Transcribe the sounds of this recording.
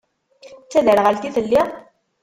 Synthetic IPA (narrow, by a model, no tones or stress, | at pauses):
t͡sːæðəɾʁəlt̪iθəlːi